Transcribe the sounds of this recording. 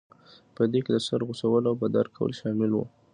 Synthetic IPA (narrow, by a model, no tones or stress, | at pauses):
pəd̪eked̪əsaɾɣʊsawəlawbad̪aɾkʰawə̰lʃɑmɪlwṵ